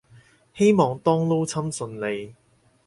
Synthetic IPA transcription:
he˥jmɔː˨˧ŋt̪ɔː˥ŋlo˥wt͡sʰɐ˥msɵ˧nle˨j

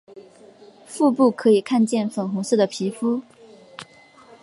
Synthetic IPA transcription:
fu˥˧pu˥˩kʰɤ˧˥i˨˩kʰa˥˧nt͡ɕjɛ˥˩nfə˨˩nxʊ˧˥ŋʂɻ̩˥˩d̪ə˩pʰi˧˥fu˥

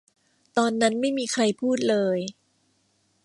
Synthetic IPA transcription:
t̪ɔː˧nːa˦˥nma˥˩jmiː˧kʰɾa˧jpʰuː˥˩t̪̚lɤː˧j

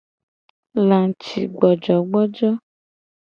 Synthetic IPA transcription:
lã˨t͡ʃḭ˨ɡ͡bɔ˨d͡ʒɔ˨ɡ͡bɔ˦d͡ʒɔ˦

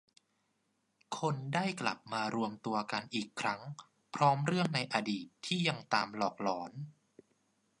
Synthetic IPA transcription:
kʰo˧ndaː˥˩jkla̰˨˩p̚maː˧ɾu˧əmt̪u˧ɐka˧nʔiː˨˩kʰːɾa˦˥ŋ | pʰɾɔː˦˥mɾɯ˥˩əŋna˧jʔa˧diː˨˩t̪ʰːiː˥˩ja˧ŋt̪aː˧mlɔː˨˩k̚lɔː˩˦n

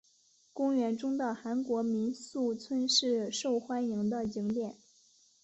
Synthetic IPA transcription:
kʊ˥ŋɥɛ˧˥nʈ͡ʂʊ˥ŋd̪ə˥˧˩xa˧˥nkwɔ˧˥mi˧˥nsu˥˩t͡sʰwə˥nʂɻ̩˥˧ʂo˥˩ʊxwa˥nji˧˥ŋd̪ə˧t͡ɕi˧˥ŋt̪jɛ˥˩n

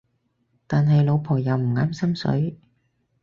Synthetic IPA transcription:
t̪aː˨nɦɐ˨jlo˨˧wpʰɔː˨˩jɐ˨wm̩˨˩ŋaː˨˥msɐ˥msɵ̰˨˥ɥ

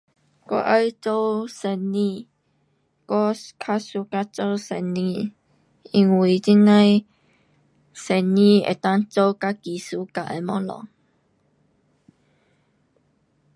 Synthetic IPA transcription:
kɔ̰˦ʔa˦jt͡so˦wsɛ˧nĩ˧˩ | kɔ˦kʰa˦˥su˧˦ka˦t͡so˦wsɛ˧nĩ˧ | ʔi˧ŋwi˨˩t͡ɕi˦nã˦j | sɛ˧nĩ˧˩ḛ˨t̪a˦ŋt͡so˦wka˦ki˨su˦ka˨˧˨ʔə˧mɔ˦lɔ̰˨ŋ

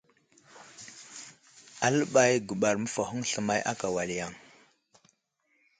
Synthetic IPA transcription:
a˨lə˦ɓa˦jɡu˨ɓa˨ɾmə˦fa˨ɦu˦ŋɬə˨ma˦jʔa̰˦ka˨wa˨li˨ja˦˨ŋ

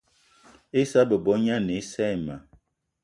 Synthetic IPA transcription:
e˦sa˦bə˨bɔ˨˦ɲa˦ne˨˦sɛ˦˨ma˨

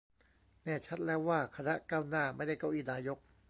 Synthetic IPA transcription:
nɛː˥˩t͡ɕʰa˦˥t̪̚lɛː˦˥wːaː˥˩kʰa˧na˦˥ʔkaː˥˩wnaː˥˩ma˥˩jda˥˩jka˧˩wʔiː˧˩naː˧jo˦˥k̚

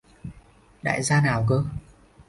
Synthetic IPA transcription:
ɗa̰ː˧˨jzaː˧naː˨˩wkəː˧

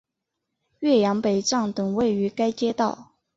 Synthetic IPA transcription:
ɥɛ˥˩jɑ˧˥ŋpe˨˩ɪʈ͡ʂɑ˥˩ŋt̪ɤ˨˩ŋwe˥˩ɪy˧˥ka˥ɪt͡ɕjɛ˥t̪ɑ˥˩ʊ

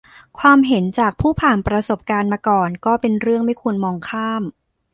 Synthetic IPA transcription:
kʰwaː˧mɦe˩˦nt͡ɕaː˨˩k̚pʰuː˥˩pʰaː˨˩npɾa˧so˨˩p̚kaː˧nmaː˧kɔː˨˩nkɔː˥˩pe˧nɾɯ˥˩əŋma˥˩jkʰu˧ənmɔː˧ŋkʰaː˥˩m

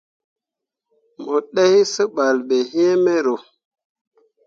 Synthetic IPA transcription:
mo˨ɗe˦hi˦sə˦ɓa˨lɓe˨he˦me˦ɾo˨

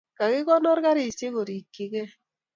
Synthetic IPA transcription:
ka˨kɪ˦kɔ˦nɔ˦ɾka˦ɾi˦˨se˦ko˨ɾi˨kːi˦ke˦

